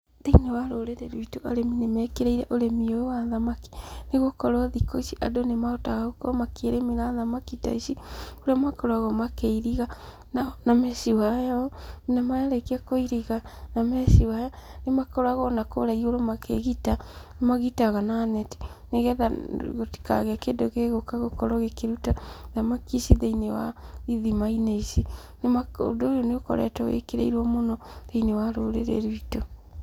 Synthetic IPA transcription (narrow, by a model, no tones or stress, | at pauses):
deinawaɾoɾeɾeɾuitoʔa̰ɾeminemɛkeɾeiɾɛʔoɾemioowaðamaki̥neɣokɔɾwaðikoʃiʔadonemaotaɣaɣokɔmakeɾemeɾaðamakita̰isioɾamakɔɾwaɣɔmakeiɾiɣa | nanamɛsiwajaɔminamajaɾekiakoiɾiɣanamɛsiwajanemakɔɾaɣɔnakoɾaioɾomakʰeɣitanemaɣitaɣanaːnɛti̥neɣɛðaɣoti̥ka̰ɣeakedoɣeɣokaɣokɔɾɔɣekeɾutanamakisiðeinewa̰iðimaineisi | nemao̰dojoneokɔ̰ɾɛ̰tɔwḛkeɾḛiɾwɔmonɔðeinewaɾoɾḛɾḛɾuito